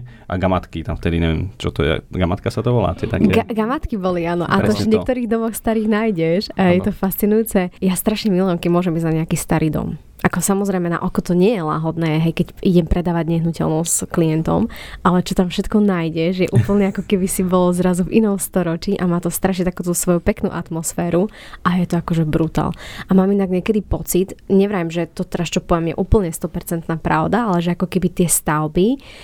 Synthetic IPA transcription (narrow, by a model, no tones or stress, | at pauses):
ʔa̰ɡamat̪kit̪amft̪ɛd̪iɲɛʋjɛ̰mt͡ʃɔt̪ɔjɛ̰ɡamat̪kasat̪ɔʋɔla̰ːt̪ɪɛt̪a̰kɡaɡamat̪kibɔliaːnɔʔat̪ɔvɲɛkt̪ɔɾiːɣd̪ɔmɔxst̪aɾiːɣnajɟɛʃaɦjɛt̪ɔfast͡sinujuːt͡sɛjast̪ɾaʃɲɛmilɔɔmkɛmʊɔʒɛmbiɟzaɲɛakiːst̪aɾiːd̪ɔ̰m | ʔakɔsamɔzɾɛjmɛna̰ʔɔkɔt̪ɔɲɪɛjɛla̰ːɦɔd̪nɛːɦɛjkɛciɟɛmpɾɛd̪aːʋaɟɲɛɦnucɛ̰lnɔskliɛnt̪ɔ̰mʔalɛt͡ʃɔt̪amfʃɛt̪kɔnajɟɛʒjɛʔuːpl̩ɲɛakɔkɛbisibɔlɔzɾazuvinɔmst̪ɔɾɔt͡ʃiːʔamaːt̪ɔst̪ɾaʃ̬ɲɛt̪akuːt̪usʋɔjupɛknṵːʔat̪mɔsfɛːɾu | ʔajɛt̪ɔakɔʒɛbɾut̪a̰ːlʔamaːminaɡɲɪɛkɛd̪ipɔt͡sit̪ɲɛʋɾaːjimʒɛt̪ɔt̪ɛɾast͡ʃɔpɔʋjɛmjɛ̰ʔuːpl̩ɲɛst̪ɔpɛɾt͡sɛnt̪naːpɾa̰ʊd̪aalɛʒɛakɔkɛbit̪ɪɛst̪aʊbi